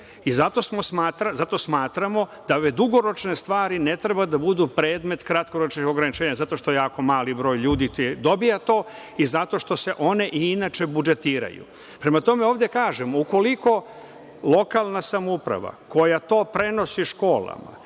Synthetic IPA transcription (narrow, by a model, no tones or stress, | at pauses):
izat̪o̞smo̞smaːt̪ɾazat̪o̞smaːt̪ɾamo̞d̪̥aoʋed̪uɡo̞ɾo̞t͡ʃne̞st̪ʋaːɾinet̪ɾebad̪abud̪upɾe̞ːd̪me̞t̪kɾat̪̚ko̞ɾot͡ʃniɡoɡɾanit͡ʃeːɲazat̪o̞ʃt̪ojejaːko̞maːlibɾo̞ːjʎuːd̪ied̪o̞bijat̪o̞ː | izat̪o̞ʃt̪o̞se̞ʔo̞ne̞ʔiinat͡ʃe̞bud͡ʒe̞t̪iːɾa̰jṵ | pɾe̞mat̪o̞meoːʋd̪jekaːʒemouko̞liko̞ | lˠo̞kalˠnasamoupɾa̰ʋa̰ko̞jat̪o̞ːpɾe̞no̞siʃko̞ːlˠa̰ma̰